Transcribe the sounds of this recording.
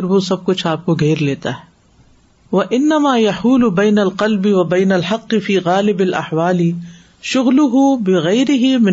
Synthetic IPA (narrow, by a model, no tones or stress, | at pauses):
ɪɾʋosɐb̚kʊt͡ʃʰaːp̚koɡʱeːɾleːt̪a̰ɦɛː | ʋɐʔɪnːɐmaːjɐħuːlʊbɐːnɐlqɐlbɪwɐbɐːnɐlħɑqːɪfiːɣaːlɪbɐlʔɐ̰ħwaːlɪ | ʃʊɣlʊɦʊbɪɣɐjɾɪɦɪmɪ